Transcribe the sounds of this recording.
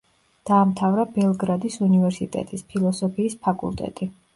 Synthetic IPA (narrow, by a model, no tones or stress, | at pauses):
d̪̥aːmt̪ʰavɾabɛlˠɡɾad̪isunivɛɾsit̪ʼɛ̰t̪ʼispʰilˠɔsɔpʰiːspʰakʼṵlˠt̪ʼɛ̰t̪ʼi